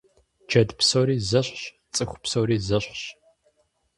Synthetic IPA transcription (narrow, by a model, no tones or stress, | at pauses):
d͡ʒɐdpsowɾiːzɐɕɕ | t͡sʼɨxʷʊpsowɾiːzɐɕʷɕ